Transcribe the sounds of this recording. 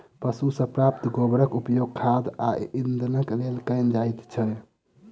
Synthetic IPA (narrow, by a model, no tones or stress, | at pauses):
pəsusə̃pɾapt̪ɡobɾəkupəjoɡ̚kʰad̪aind̪nəklelkə̃ɪnd͡ʒajt̪t͡ʃʰɛ